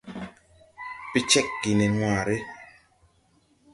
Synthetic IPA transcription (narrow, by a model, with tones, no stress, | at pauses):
pi˦t͡ʃɛ˦kːi˨nɛ˨ŋwaː˨ɾe˦